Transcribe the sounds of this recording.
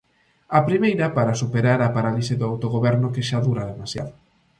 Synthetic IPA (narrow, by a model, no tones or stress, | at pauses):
apɾimejɾɐpaɾasupeɾaɾapaɾalisɪðʊawt̪oɣoβɛɾnʊkeʃaðuɾaðemasja̰ðʊ